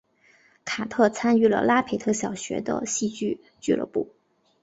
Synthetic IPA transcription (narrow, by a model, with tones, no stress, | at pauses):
kʰa˨˩t̪ʰɤ˥˩t͡sʰa˥ny˥˩lə̰˩la˥pʰe˧˥ɪt̪ʰɤ˥˩ɕjɑ˨˩ʊɕɥɛ̰˧˥d̪ə̰˧ɕi˥˧t͡ɕy˥˧ | t͡ɕy˥˧lə̰˥˧pṵ˥˩